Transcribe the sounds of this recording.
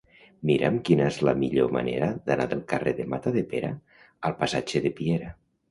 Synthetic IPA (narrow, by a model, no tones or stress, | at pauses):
miɾʔemkinəezlamiʎoma̰neɾaðana̰ðəlˠkareðemat̪aðepeɾa | əlˠpasad͡ʒeðepieɾa